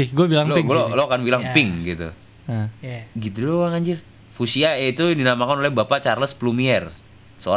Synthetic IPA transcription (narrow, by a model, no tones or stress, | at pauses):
ɪɡuabilaŋlɡoloakanbilaŋpɪŋɡit̪ṵ | ɡit̪udoaŋaɲd͡ʒɪr | fusiait̪udinamakanolɛhbapat͡ʃarləsplumiɛr | səo̰a